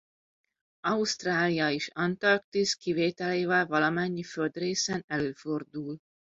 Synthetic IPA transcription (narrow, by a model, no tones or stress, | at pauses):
ɒust̪raːlijɒeːʃɒnt̪ɒrk̚t̪iskiveːt̪ɛleːvɛlvɒlɒmɛɲːiføld̪reːsɛnɛløːfo̞rd̪uːl